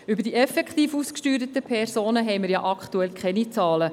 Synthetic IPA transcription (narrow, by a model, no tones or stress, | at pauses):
ybəɾd̥iɛfɛkχt̪iːfuskʃtyːɾət̪əpʰɛrsoːnəɦɛɪməɾjɑ̰ʔɑkχt̪uɛlkχɛnit͡sɑːlə